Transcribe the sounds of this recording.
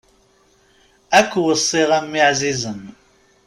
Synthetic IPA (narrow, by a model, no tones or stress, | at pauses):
ækʷːwəsˤːiʁamːiʕzizəm